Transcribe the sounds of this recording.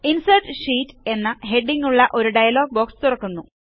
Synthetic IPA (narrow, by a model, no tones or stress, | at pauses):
insɐrʈɕiːtːe̞nːɨɦe̞ɖːiŋɡuɭːɐʔo̞ɾuɖɐjɐlo̞ːɡ̚boːkst̪urɐkːunːu